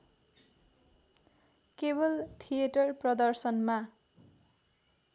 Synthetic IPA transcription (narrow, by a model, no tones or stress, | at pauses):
kebʌlt̪ʰijeʈʌrprʌd̪ʌrsʌnma